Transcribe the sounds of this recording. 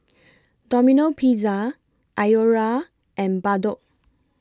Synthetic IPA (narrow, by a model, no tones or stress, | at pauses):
dɔminopʰiza | ʔajoɹa | ʔɛ̃nbadoʔ